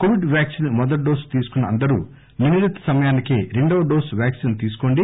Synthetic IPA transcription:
koʋiɖʋjaːksinmɔd̪ɐʈ̚ɖoːst̪iːsu̥kunːɐɐnd̪ɐɾṵː | miniɾɐt̪ːɐ̥sɐmɐjaːnikeɾiɳɖoːɖoːsʋʲjaːksint̪iːsu̥koːɳɖi

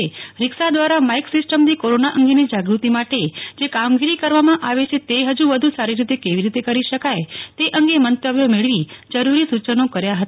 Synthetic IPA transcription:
eɾɪksad̪ʋaɾamaiksɪsʈəmnikoɾonaʔəŋɡenid͡ʒaɡɾut̪imaʈed͡ʒekamɡiɾikəɾʋamãʔaʋet͡ʃʰet̪eɦəd͡ʒuʋəd̪ʱusaɾiɾit̪ekeʋiɾit̪ekəɾiʃəkajt̪eʔəŋɡemənt̪əbjomeɭʋid͡ʒəɾuɾisut͡ʃənokəɾjaɦət̪a

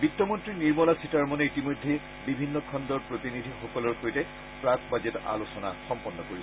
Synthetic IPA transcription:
bitːɔmɔntɹiniɹmɔlasitaɹmɔneitimojdʱːe | bibʱinːɔkʰɔndɔɹpɹot̪inidʱixɔkɔlɔɹxojtɛ | pɹakbazeta̰losɔna̰xɔmpɔnːɔkoɹi

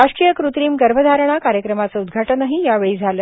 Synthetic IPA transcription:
aʂʈɾijəkɾut̪ɾiːmɡəɾbʱəd̪ʱaɾəɳ̃akaɾjəkɾəmat͡səud̪ɡʱaʈənaɦijaʋeɭiːd͡zʱaləː

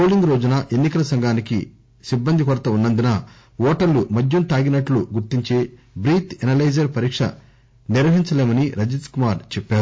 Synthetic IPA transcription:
poːliŋɡɾo̞ːd͡ʒunɐʔenːikɐlɐsɐŋɡʱaːnikḭ | sibːɐnd̪ʱikɔɾɐt̪ɐunːɐnd̪unɐ | ɔːʈɐɾlumɐd͡ʒjunt̪aːɡinɐʈluɡuɾt̪iɲt͡ʃeː | bɾiːt̪ɛnɐlɐjd͡ʒɐɾpɐɾiːkʂɐ̰ | niɾʋɐɦiɲt͡ʃɐleːmɐniɾɐd͡ʒiskumaːɾt͡ʃɛpːaːɾu

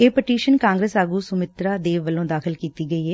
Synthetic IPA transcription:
eːpɪʈiːʃənkãːŋɡɾeːsaːɡuːsʊmɪt̪ɾaːd̪eːʋʋəlõːd̪aːkʰɪlkiːt̪iːɡəiːɦɛː

